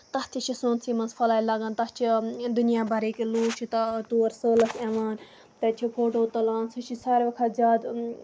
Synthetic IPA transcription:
t̪ɐht͡ʃ̪ʰit͡ʃʰisõːnsʰiːmɐnsfʰɐlaːilaɡant̪ɐt͡ʃʰid̪ʊnjaːbʱɐɾeːkiluːt͡ʃʰit̪ɐt̪uːɐɾsəːlɐseːʋaːn | t̪ɐt͡ʃʰipʰoːʈoːt̪ɐlaːnsɐʃʰisaːɾʋɐkʰɐzʲaːd̪

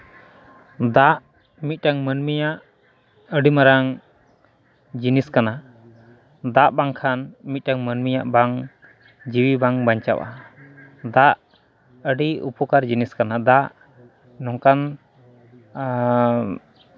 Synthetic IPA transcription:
d̪aʔ | mit̪̚ˀʈaŋmənmijaʔ | əɖimaɾaŋ | d͡ʒiniskana | d̪aʔbaŋkʰanmit̪̚ʈaŋmənmijaʔbaŋ | d͡ʒiwibaŋbaɲt͡ʃa̰ʔa̰ | d̪aʔ | əɖiṵpɔkaɾd͡ʒiniskanad̪aʔ | nɔŋkan

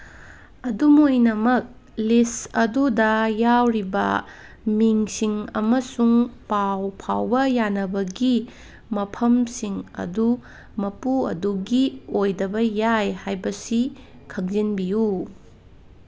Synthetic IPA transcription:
ɐdumojnɐmɐk̚ | lisɐdudɐjawɾibɐ̰ | miŋsiŋɐ̰mɐsuŋpawpʰawbɐjanɐbɐɡi | mɐpʰɐmsiŋɐ̰du | mɐpuɐ̰duɡiojdɐbɐjajhajbɐsi | kʰɐk̚zinbiju

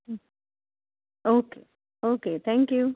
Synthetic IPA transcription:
oːkeː | okeːt̪ʰæ̃ŋkju

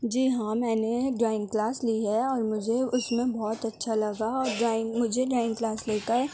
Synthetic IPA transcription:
d͡ʒiːɦãmɛ̃ːneɖɾaːɪ̃ŋɡklaːsliɦɛɔːɾmʊd͡ʒʱeʊsmẽbɔːt̪ɐtːʃʰalɐɡaɔːɾɖaːɪ̃ŋɡmʊd͡ʒʱeɖɾaːɪ̃ŋɡklaːsleːkaɛ

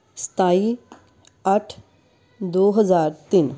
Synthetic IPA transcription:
st̪ʰaːi | ɐʈʰ | d̪oːɦəzaːɾt̪iːn

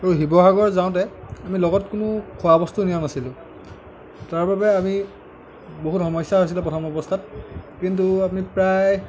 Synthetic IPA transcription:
aɹuɦibɔɦaɡɔɹzaʊ̃t̬ɛamilɔɡɔtkʊnʊkʰʊabɔstunijɔnasilʊ̃ | taɹbabɛami | boɦutxɔmɔjsaɦojs̬ilapɹɔtʰɔmɔbɔstʰat̚kintuap̬nipɹaj

